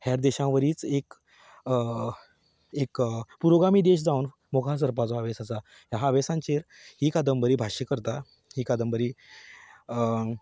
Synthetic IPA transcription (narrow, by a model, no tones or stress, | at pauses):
haɾd̪eɕãʋəɾiːt͡sek | ekpuɾoɡɾamiːd̪eɕd͡zawn | mokʰas̬əɾpat͡soɦaʋesasa | ɦjaɦaʋesãɲt͡ɕeɾ | hiːkad̪əmbəɾiːbʱaɕekəɾt̪a | hiːkad̪əmbəɾiː